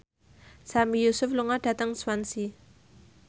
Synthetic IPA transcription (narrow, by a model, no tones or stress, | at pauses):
samijusʊfluŋaɖ̥ä̤t̪əŋswansi